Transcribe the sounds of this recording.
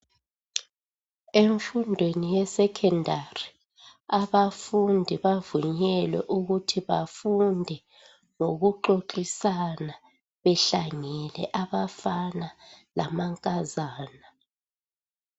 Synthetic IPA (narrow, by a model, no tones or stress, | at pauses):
eɱfundʱwenijɛsɛkʰɛndʱari | aβafundʱiβavuɲɛlwɛ̰ʔuɣutʰiβafundʱɛ | ŋoɣuǃoǃisana | βɛɬaŋɛlɛʔaβafanalamaŋkʼazaːna